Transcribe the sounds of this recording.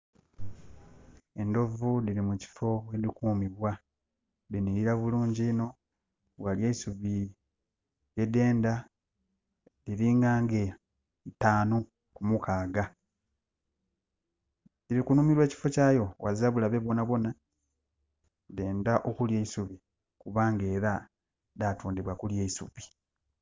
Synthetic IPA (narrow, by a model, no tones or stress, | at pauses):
e̞ndo̞vudiɾimuci̥fo̞welikuːmiβwa | diniɾiɾaβuluːɲɟiːno̞ | βwaljeisuβi | je̞de̞ːnda | diɾiːŋɡaːŋɡe̞ | itaːnu | kumukaːɡa | iɾikunuːmiɾwe̞ːci̥fo̞caːjo̞waziaβulaβe̞βwo̞naβo̞na | de̞ːndaʔo̞kulje̞isuβi | kuβaːŋɡe̞ːɾa | datuːndiβwakuljeisṵpi̥